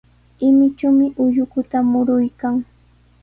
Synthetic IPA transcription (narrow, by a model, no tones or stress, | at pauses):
ɪmɪt͡ʃamɪʔʊʎʊkʊt̪amʊɾʊjkaŋ